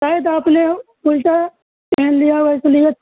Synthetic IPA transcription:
ʃaːjəd̪aːpnepʊlʈa | pɛːnlijaʋɛːsəlijət̪̚

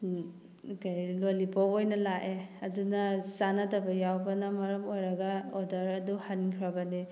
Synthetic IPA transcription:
kajlolibɔkojnɐlaʔeɐdunɐzanɐdɐbɐjawbɐnɐmɐɾɐmojɾɐɡɐodɐɾɐduhankʰɾɐbɐni

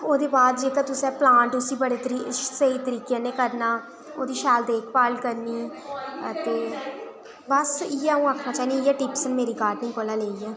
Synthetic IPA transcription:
oːd̪eːbaːd̪d͡ʒeːkaːt̪ʊsɛ̃ːplãːɳʈʊsiːbəɽeːt̪əɾisəiːt̪əɾiːkjãːneːkəɾnaː | oːd̪iːʃaːld̪eːkʰpaːlkəɾniːət̪eː | bəsiːaũːaːkʰnaːt͡ʃaːiniiːɛːʈiːpsənmeːɾiːɡaːɾɖnɪ̃ŋkoːlaːleːiːɛː

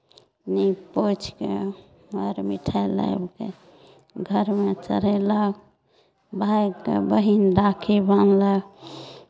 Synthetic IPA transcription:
nipot͡ʃʰkḛ | mɔɾmiʈʰala̰ebke | ɡʱəɾmet͡ʃə̰ɾeləɡ | bʱaekḛbəɦinɾakʰebənləɡ

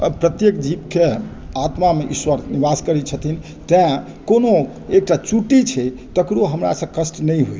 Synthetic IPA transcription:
pɾət̪jekd͡ʒibke | at̪mameʔiswəɾnibaskəɾit͡ʃʰət̪ʰin | t̪ɛã | kono | ek̚ʈat͡ʃuʈit͡ʃʰɛt̪əkɾoɦəmɾa̰sə̃kəsʈnəjɦoj

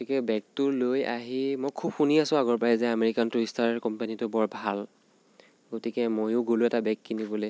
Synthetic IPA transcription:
ɡotikɛbɛk̚tʊloja̰ɦimojkʰub̚xuniasʊ̃aɡɔɹpajɛzɛameɹikantojstaɹkɔmpanitʊbɔɹbʱal | ɡotikɛmojʊɡolʊɛtabɛkːinibɔle

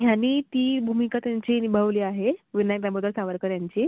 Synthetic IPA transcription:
ɦjanːiːt̪iːbʱumikat̪jaɲt͡ɕinibʱəʋliːaɦeʋinajkɾabəd̪ʱəɾsaʋəɾkəɾjaɲt͡ɕi

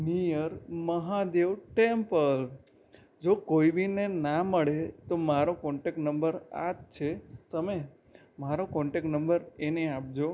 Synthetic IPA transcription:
nijəɾməɦad̪eʋʈempəl | d͡ʒokoibinenaməɭet̪omaɾokɔɳʈek̚ʈnəmbəɾa̰tt͡ʃʰet̪əme | maɾokɔ̃ɳʈek̚ʈnəmbəɾeneap̚d͡ʒo

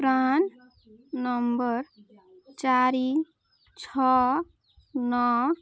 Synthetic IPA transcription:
pɾan | nʌmbʌɾ | t͡ʃaɾi | t͡sʰɔ | nɔ

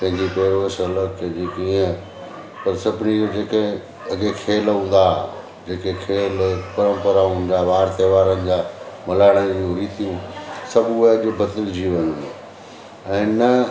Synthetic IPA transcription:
pɐ̃ɦɪ̃ɲd͡ʑipeːɾoəsɐləkʰd͡ʑekiə̃ | pɐɾsɐbʱɪnid͡ʑod͡ʑeːkẽ | ɐɡekʰeːlɦũːnd̪a | d͡ʑeːkekʰeːlpɐɾə̃mpəɾaɦũːɪ̃n̆d̪aːʋaːɾt̪eʋaːɾənɪ̆d͡ʑaːmɐlaːɪɽ̃əjũɾiːt̪ijũsɐbʱɐʄʊ̆bʱɐt̪ɪld͡ʑiʋɐɲũ | ɛ̃ːnɐ

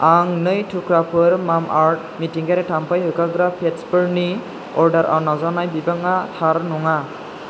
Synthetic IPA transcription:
aŋnɯjtʰukʰɾapʰɯɾmamʔaɾt̚ | mitiŋɡaɾɛtʰampajɦɯkaɡɾapʰːetspɯɾni | ɔɾdaɾʔa̰wnazanajbibaŋatʰaɾnɔŋa

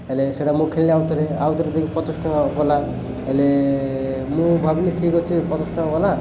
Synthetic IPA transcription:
eleseʈamũkʰeliliawt̪ɔɾeawt̪ɔɾed̪ekʰipɔt̪ɔsʈɔkɔla | ele | mũbʱabliʈʰikɦɔt͡ʃʰipɔt̪ɔsʈɔkɔla

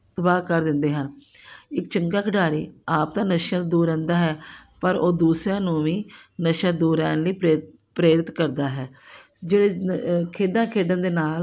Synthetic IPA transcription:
t̪əbaːkəɾd̪ɪnd̪eːɦənɪkt͡ʃəŋɡaːkʰəɖaːɾḭːaːp̚t̪ãːnəʃjãːd̪uːɾɛ̃ːnd̪aːɦɛːpəɾoːd̪uːsɾãːnũːʋĩːnəʃãːd̪uːɾɛːnliːpɾeːt̪ | pɾeːɾɪt̪kəɾd̪aːɦɛːd͡ʒeːɽeːkʰeːɖãːkʰeːɖãːd̪eːnaːl

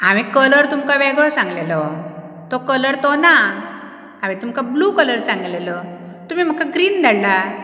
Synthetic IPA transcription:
aʋikələɾt̪umkaʋɛɡɭɔsãŋɡlelɔ | t̪ɔkələɾt̪ɔna | aʋĩt̪umkablukələɾsãŋɡlelɔ | t̪um̤im̤əkaɡɾiːnd̪ʱaɽla

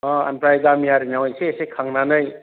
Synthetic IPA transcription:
ɔa̰npɾajɡamiaɾinawajseːsekʰaŋnanɯj

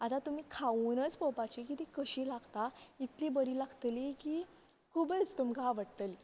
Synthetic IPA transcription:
at̪at̪um̤iːkʰaunət͡spɔwpat͡ɕikit̪ikəɕilaɡt̪ait̪libəɾiːlaɡt̪likiː | kʰubət͡st̪umkaʋəɽt̪əli

